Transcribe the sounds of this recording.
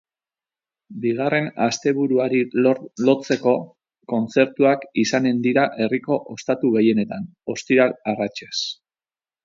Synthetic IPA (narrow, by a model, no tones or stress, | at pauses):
biɣ̞are̞nast̪e̞βuɾuaɾilo̞t͡se̞ko̞ | ko̞nt͡se̞ɾt̪uakisane̞nd̪iɾaʔe̞riko̞ʔost̪at̪uɣe̞je̞ne̞t̪an | o̞st̪iɾalarat͡ʃes